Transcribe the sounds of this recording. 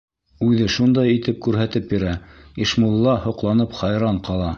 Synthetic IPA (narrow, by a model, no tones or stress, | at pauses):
ʉðɘʃund̪ɑjit̪ɘp̚kʉɾɦæt̪ɘp̚jĭɾæiʃmulˠːɑhŏqlˠɑnɤpχɑjɾɑɴqɑlˠɑ